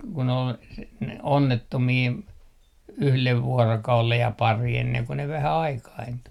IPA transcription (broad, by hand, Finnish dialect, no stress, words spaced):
kun ol s ne onːetːomiː yhleʋ ʋuorokɑulej jɑ pɑri enːeŋ ko ʋæhæ ɑikɑintu